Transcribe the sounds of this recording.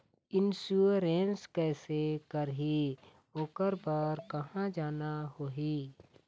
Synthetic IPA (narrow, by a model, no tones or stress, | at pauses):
ɪnsuɾeːnskɛːsekəɾɦi | oːkəɾpaɾkɐɦãd͡ʒaːnaɦoːɦiː